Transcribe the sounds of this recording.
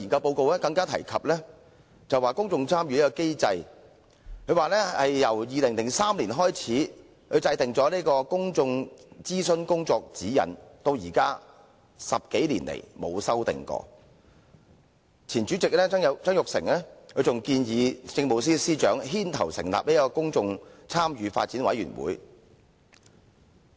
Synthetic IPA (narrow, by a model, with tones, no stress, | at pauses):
i˨nkɐ˧wpo˧wko˨wlɛː˥kɐ˧ŋkaː˥t̪ʰɐ̰˨˩jkʰɐ˨p̚lɛː˥ | t͡sɐ˨waː˨˩kʊ˥ŋt͡sʊ˧ŋt͡sʰaː˥mjyː˨˧liː˥kɔ˧ke˥jt͡sɐ˧j | kʰɵ˨˧ɥwaː˨lɛː˥ɐ˨jːɐ˨˩wjiː˨lɪ˨˩ŋlɪ˨˩ŋsaː˥mliː˨˩nɦɔː˥jt͡sʰiː˨˥ | kʰɵ˨˧t͡sɐ˧jt̪ɪ˨ŋt͡sɔː˨˥liː˥kɔː˧kʊ˥ŋt͡sʊ˧ŋt͡siː˥sə˥nkʊ˥ŋt͡sɔː˧k̚t͡siː˨˥jɐ̰˨˩nt̪o˧wjiː˨˩kaː˥ | sɐ˨p̚ke˨˥jlḭː˨˩nlḛ˨˩jmo˨˧wsɐ˥wt̪ɪ̰˨˩ŋkɔ̰ː˧ | t͡sʰiː˨˩nt͡ʃyː˨˥t͡sɪ˨k̚lɛː˥ŋ˨˧t͡sœː˥ŋjʊ˨k̚sɪ̰˨˩ŋlɛː˥kʰɵ˨˧ɥt͡sʊ˨ŋkiː˧njiː˨˧t͡sɪ˧ŋmo˨˧ws̬iː˥siː˥t͡ʃœː˨˥ŋɦiː˥nt̪ʰɐ˨˩wsɪ˨˩ŋla̰ː˨p̚li˥kɔː˧kʊ˥ŋt͡sʊ˧ŋt͡sʰaː˥mjyː˨˧fa̰ː˧t̚t͡siː˨˥nwɐ̰˨˥jy̰ː˨˩nwṵː˨˥j